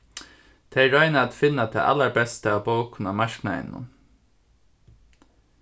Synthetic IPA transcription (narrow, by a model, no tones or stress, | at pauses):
t̪ʰeɪɹɔʏnaːt̪fɪnːat̪ʰɛ̰ːʔa̰lːaɹbɛst̪əabowkʰʊnamaʃknaɪ̰nːʊ̰n